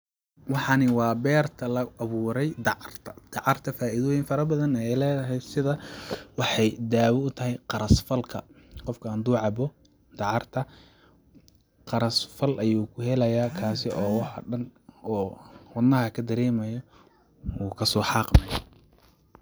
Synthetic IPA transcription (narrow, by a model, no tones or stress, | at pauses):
wɑħɑnɪwɑːbɛːrt̪ʰɐlɐʔɐβuːɾɛjd̪ɑʕɑrt̪ʰɐ̥d̪̥ɑʕɑrt̪ʰɐfaːʔiðɔːjɪŋfɐɾɐbɐðɐnɛjlɛːðɐɦɛjd̪sɪðɐwɑħɑjd̪aːwɔʊt̪ʰɐɦɛjqɑɾɐsfɐlkʰɐ | qɔfkʰɐaːnd̪uːʕɑbɔ | d̪̥ɑʕɑrt̪ʰɐ | qɑɾɐsfɐlʔɐjuːkʰʊɦɛlɐjaːkʰaːsɪɔːwɑħɔ̰ɖɐnɔːwɑd̪nːɐɦɐkʰɐd̪ɐɾɛːmɐjɔ | uːkʰɐsɔːħɑːqmɐjɐ